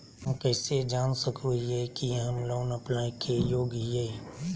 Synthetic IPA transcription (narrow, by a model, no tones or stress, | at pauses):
ɦmkɛːsed͡ʒaːnsəkʰɾuɦiɛkiɦɐmloːnəpnaːikʰejoːɡɦiɛː